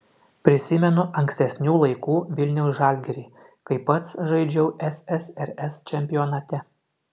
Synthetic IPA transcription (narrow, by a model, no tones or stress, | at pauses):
pʲɾʲɪsʲɪmʲɛnʊʔɐŋʲksʲt̪ʲɛsʲnʲuːlˠɐɪkuːʋʲɪlʲnʲɛʊsʒɑlʲɡʲɛɾʲiː | kɐɪpːɐt̪sʒɐɪd͡ʒʲɛʊʔɛsɛsɛɾɛst͡ʃʲɛmʲpʲɪjɔːnɐt̪ʲɛ